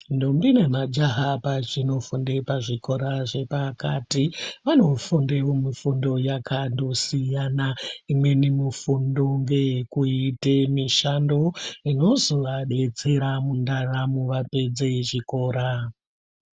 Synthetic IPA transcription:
ndombinemad͡ʒaɦapat͡ʃino̞fundepaʐiko̞ɾaʐe̞pakatiʋano̞fundeomifundo̞jakando̞sijanaimwe̞nimifundo̞ŋɡe̞kuitemiʃando̞ino̞zo̞ʋaɗe̞t͡se̞ɾamundaramuʋape̞d͡zeʐiko̞ːɾa

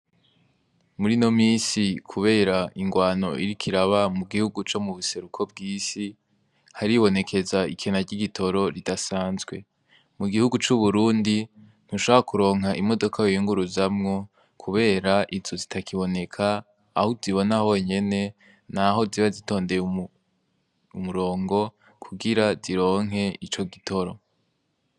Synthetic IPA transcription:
muɾino̞miːsikʰuβe̞ːɾaʔiŋɡwaːno̞̰ʔiɾikʰiɾaβamuɡihuɡut͡ʃo̞muβuse̞ɾukʰo̞b̚ɡiːsi | haɾiβo̞ne̞kʰe̞zaikʰenaɟiɡitʰo̞ɾo̞ɾidasaːnzɡwe̞ | muɡihuɡut͡ʃuβuɾuːndi | n̥huʃoβaβakuɾo̞ːŋ̥ɦaʔimo̞do̞kʰajojuŋɡuɾuzamŋo̞ | kʰuβe̞ːɾaʔizozitʰakʰiβo̞ne̞kʰaː | huziβo̞naho̞ːɲe̞ne̞ | naɦo̞ziβazito̞ːnde̞ju | umuɾo̞ːŋɡo̞ | kʰuɡiɾaziɾo̞ːŋɦe̞it͡ʃo̞ɡitʰo̞ɾo̞̰

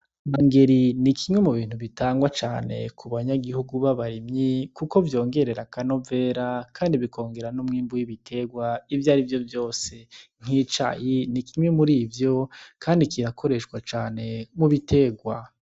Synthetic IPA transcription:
maŋɡe̞ɾinikʰimwe̞muβiːn̥huβitaːŋɡwat͡ʃaːne̞̰kʰuβaɲaɡihuɡuβaβaɾimɲikuko̞vjo̞ːŋɡe̞ɾe̞ɾakano̞ve̞ːɾakʰaːndiβikʰo̞ːŋɡe̞ɾanumŋiːmbujiβitʰe̞ɡwaivjaːɾivjo̞vjo̞ːse̞ŋ̥hit͡ʃa̰jinikimwemuɾiːvjo̞kʰaːndikiɾakʰo̞ɾe̞ʃwat͡ʃaːne̞muβite̞ɡwa

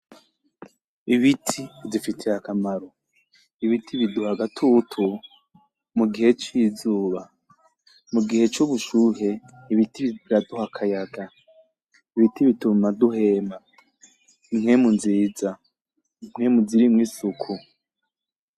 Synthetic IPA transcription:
iβitʰizifitʰeakamaɾo | iβitʰiβiduhaɡatʰutʰu | muɡihe̞t͡ʃiːzuːβa | muɡihe̞t͡ʃuβuʃuːɦe̞ | iβitiβiɾaduhakʰajaɡa | iβitiβitumaduɦe̞ːma | imŋe̞munziːza | im̥ŋemuziɾimŋiːsukʰu

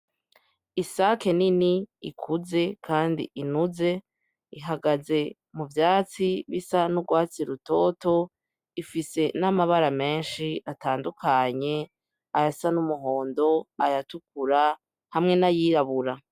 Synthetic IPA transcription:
isakeniniikʰuze̞kʰaːndḭʔinuze̞ | iɦaɡaze̞ | muvjaːt͡siβisanuɡwaːt͡siɾuto̞to̞ | ifise̞namaβaɾame̞ːnʃiʔataːndukʰaɲe̞ | ajasanumuɦo̞ːndo̞ajatukuɾa | hamŋe̞najiːɾaβuɾa

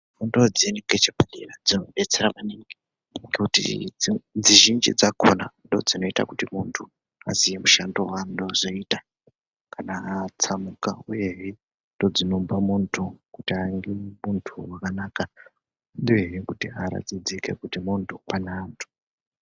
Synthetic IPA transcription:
mundod͡zeniŋɡet͡ʃepalirad͡zinoɓe̞t͡se̞ɾamaneŋɡe | ŋɡekutḭ | d͡ziʒind͡ʒḭd͡zakʰonando̞d͡zino̞ita̰kutimuntʰu | a̰zijemuʃando̞ɦwando̞zoita | kanaːt͡samukauje̞ɦe | ndo̞d͡zino̞mbamuntʰukutiaŋɡemuntʰuwakanaːka | nɗujeɦekutiaɾa̰d͡zid͡zike̞̰kutimuntʰupanantʰu̥

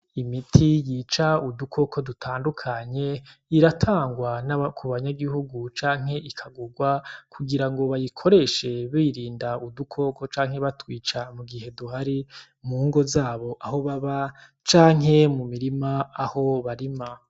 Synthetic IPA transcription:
imitʰijiːt͡ʃaudukʰo̞kʰo̞dutʰaːndukʰaɲe̞iɾatʰaːŋɡwanakʰuβaɲaɡihuɡut͡ʃaːŋ̥he̞ʔikʰaɡuɡwakʰuɡiɾaŋɡo̞βajikʰo̞ɾe̞ʃe̞βiːɾiːndaudukʰo̞ko̞t͡ʃaːŋ̥he̞βatwiːt͡ʃamuɡihe̞duhaɾi | muːŋɡo̞zaːβo̞ʔaho̞βaβa | t͡ʃaːŋ̥ɦe̞mumiɾimaːho̞βaɾima

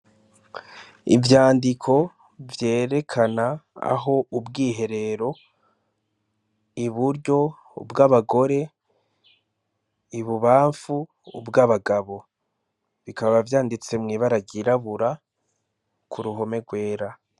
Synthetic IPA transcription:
ḭvjaːndikʰo̞ | vje̞ːɾe̞kʰanaa̰ɦo̞ubɡiːɦe̞ɾe̞ɾo̞ | iβuɾɟo̞ | ṵbɡaβaɡo̞ɾe̞ | iβuβaːɱfuː | bɡaβaɡaβo̞ | βikaββavjaːndit͡se̞mŋiːβaɾaɟiɾaβuɾa | kuɾuɦo̞me̞ɡwe̞ːɾa

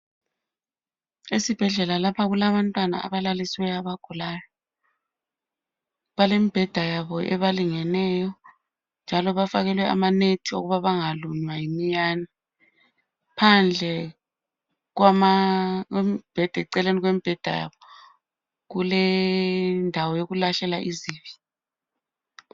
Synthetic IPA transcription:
isib̥ʱɛɮɛlalapʰaɣulaβantʼwana̰ʔa̰βalaliswɛaβaɡ̥ʱulaːjɔ | βalemib̥ʱɛd̥ʱajaβɔʔɛβaliŋɛnɛːjɔ | nd͡ʒʱalɔβafaɣɛlwɛʔa̰manetʰio̰ɣuβaβaŋaluɲwajimijaːni | pʰand͡ɮʱɛ | ɣwamaɛmib̥ʱɛd̥ʱaǀɛleniɣwemib̥ʱɛd̥ʱaja̰βɔ | ɣulɛ | ndʱawɔjoɣulaɬɛlaʔiziːvi̥

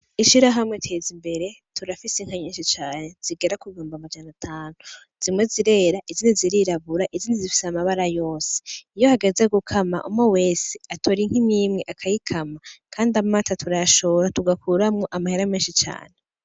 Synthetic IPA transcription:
iʃiɾaɦamŋetʰeːzimbe̞ɾe̞ | tʰuɾafisiŋ̥aɲiːnʃit͡ʃaːnez̥iɡe̞ɾakuβioːmbamad͡ʒanatʰaːnu | z̥imŋe̞ziɾe̞ːɾaʔiziːndiziɾiɾaβuɾaʔiziːndizifi̥samaβaɾajo̞ːse̥ijo̞haɡe̞ze̞ɡukʰama̰ʔṵmowe̞ːse̥atʰo̞ɾiŋ̥himiːmŋe̞ʔakʰajikʰamakʰaːndiamaːtatʰuɾaʃo̞ɾatuɡakuɾamŋoʔamaheɾameːnʃit͡ʃa̰ːne

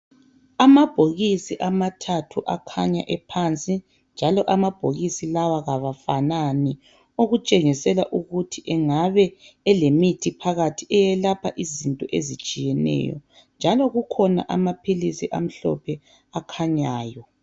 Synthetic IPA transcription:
amab̥ʱoɣisiʔamatʰatʰuʔakʰaɲa̰ʔɛpʰant͡sʼi | nd͡ʒʱalɔʔamab̥ʱoɣisilawaɣaβafanani | oɣut͡ʃʼeŋisɛlaʔuɣutʰiʔɛŋaβɛːlemitʰipʰaɣatʰiʔɛjɛlapʰaʔizintʼɔʔezit͡ʃʼijɛnɛ̰ːjɔ̰ | nd͡ʒʱalɔɣukʰɔna̰ʔa̰mapʰilisiʔa̰m̩ɬɔ̰pʰɛ | akʰaɲaːjɔ

